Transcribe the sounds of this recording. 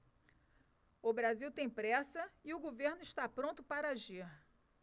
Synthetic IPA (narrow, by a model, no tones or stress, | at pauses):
ʊbɾaziwt̪ẽj̃pɾɛsɐɪʊɡoveɾnʊɪʃt̪apɾõnt̪ʊpaɾɐaʒiɾ